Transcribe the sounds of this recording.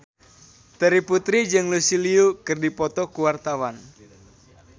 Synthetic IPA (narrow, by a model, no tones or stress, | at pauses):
t̪əɾiput̪ɾid͡ʒɨŋlusiliukɨrdipɔt̪ɔkuwart̪awan